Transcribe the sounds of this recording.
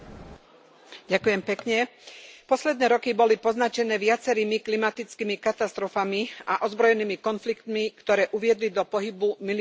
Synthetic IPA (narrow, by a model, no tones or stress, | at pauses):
ɟakujɛmpɛkɲɛpɔslɛd̪nɛːɾɔkibɔlipɔznat͡ʃɛnɛːʋɪat͡sɛɾiːmiklimat̪it͡skiːmikat̪ast̪ɾɔfamiaʔɔzbɾɔjɛniːmikɔnflikt̪mikt̪ɔɾɛːʔuʋɪɛd̪lid̪ɔpɔɦibumil